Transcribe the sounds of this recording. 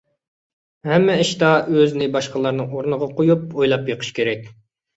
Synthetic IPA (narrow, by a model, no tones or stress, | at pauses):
hɛmːɛɪʃt̪ɑøznɪbɑʃqəlˠɑɾnɨŋoɾnɨʁɑqojup̚ojlˠɑpjeqʰə̥ʃkʲeɾɛkʲ